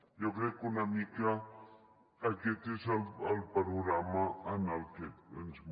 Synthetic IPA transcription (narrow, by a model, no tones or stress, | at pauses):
jokekonamika | aket̪ɪsalalpaɾoɣɾamaːnalkeḛnsm